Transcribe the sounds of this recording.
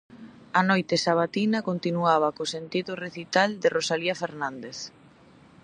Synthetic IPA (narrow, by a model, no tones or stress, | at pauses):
ɐnojt̪esaβ̞at̪inɐkont̪inuaβakosent̪iðʊreθit̪ald̪ɪrosaliafeɾnãnd̪eθ